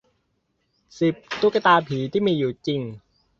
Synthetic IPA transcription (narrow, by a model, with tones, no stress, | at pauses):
si˨˩p̚t̪u˦˥ka˧t̪aː˧pʰiː˩˦t̪ʰiː˥˩miː˧juː˨˩t͡ɕi˧ŋ